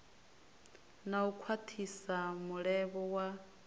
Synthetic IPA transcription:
naukʰwatʰisamuɺɛβɔwa

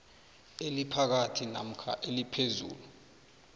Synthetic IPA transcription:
elipʰak̬atʰina̰m̩kʰa̰ʔelipʰezṵːlu

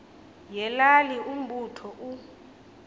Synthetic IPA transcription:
jɛlalium̩ɓutʰɔʔu

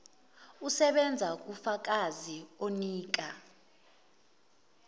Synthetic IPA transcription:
usɛɓɛnd͡zʱak̬ʼufak̬ʼazioniːk̬a

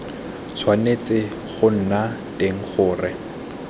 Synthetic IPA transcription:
t͡sʰwanet͡sɪ | χʊn̩nateŋ̩χʊːrɪ

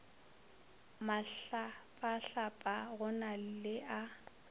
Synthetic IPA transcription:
maapʼaɬapʼaɣʊnal̩lɪʔa

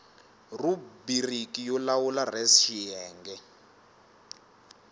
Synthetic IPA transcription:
rubirikijɔlawularɛsʃijɛːŋɡɛ

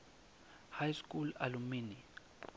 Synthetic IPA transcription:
hajskulalumini

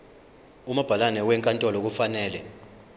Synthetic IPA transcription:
umab̥ʱalanɛwɛŋkʼantʼɔlɔk̬ufanɛːlɛ

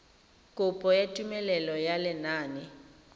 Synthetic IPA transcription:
kʼʊpʼɔjatʼumɛlɛlɔjalɛnaːnɛ

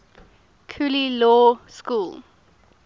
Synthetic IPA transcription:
kʰulilɔːskuːl

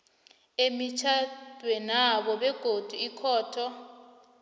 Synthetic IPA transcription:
emit͡ʃʰad̥ʱwɛnaɓɔɓɛɡ̥ʱod̥ʱuikʰɔːtʰɔ

